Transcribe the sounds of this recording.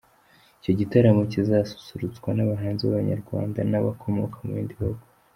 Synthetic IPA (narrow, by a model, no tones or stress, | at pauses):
ico̞ɟitaɾamo̞cizaːsu̥suɾut͡sɡwanaβaɦaːnziβaβaɲa̰ɾɡwa̰ːnda̰naβa̰kʰo̞mo̞̰kʰamuindiihuɡu